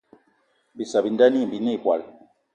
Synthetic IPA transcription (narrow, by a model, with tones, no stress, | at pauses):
bi˨sa˨bi˨nda˦ni˦˨bi˨nɛ˦˨kwa̰˨l